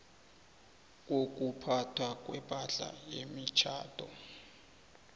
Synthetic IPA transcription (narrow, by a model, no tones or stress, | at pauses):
k̬ʼok̬ʼupʰatʰwak̬ʼwɛpʼaɮa̰jemit͡ʃʰa̰ːd̥ʱɔ̰